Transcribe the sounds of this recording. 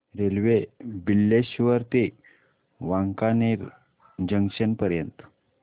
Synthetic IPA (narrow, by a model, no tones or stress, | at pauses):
ɾelʋebilːeɕʋəɾt̪e | ʋaŋkaneɾ | d͡ʑəŋɕənpəɾjənt̪